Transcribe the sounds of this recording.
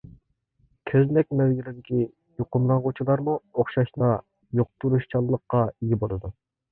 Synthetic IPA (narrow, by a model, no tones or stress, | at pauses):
kʲʰøznɛk̚ʲmɛwɡʲilɪd̪ɪkʲi | joqʊmlˠɑŋʁot͡ʃʰilˠɑɾmuoχʃɑʃnɑ | joq̚t̪ʰuɾuʃt͡ʃʰɑlˠːəqːɑiɡʲibolˠɨd̪u